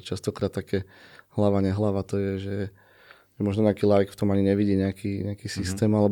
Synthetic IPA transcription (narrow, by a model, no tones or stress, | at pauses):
t͡ʃast̪ɔkɾaːt̪t̪ːakɛ | hlaʋaɲɛɦlaʋat̪ɔjɛʒɛ | ʒɛmɔʒnɔɲɛakiːlaːjkft̪ɔmaɲiɲɛʋiɟiːɲɛakiːɲɛakiːsist̪ɛːmalɛb